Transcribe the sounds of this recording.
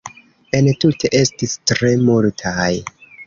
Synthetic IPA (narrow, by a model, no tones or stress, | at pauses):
entutʰe̞ʔe̞stistɾe̞multʰaj